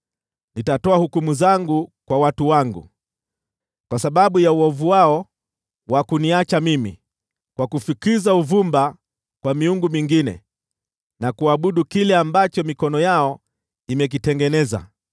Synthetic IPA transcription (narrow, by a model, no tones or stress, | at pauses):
nitatɔahukumuzaŋɡukwawatuwaŋɡṵ | kwasaɓaɓujauɔvuwaɔ | wakuniat͡ʃamimḭ | kwakufikizauvumba | kwamiuŋɡumiŋɡinɛ̰ | nakuaɓuɗukilɛambat͡ʃɔmikɔnɔjaɔ | imɛk̬itɛŋɡɛnɛza̰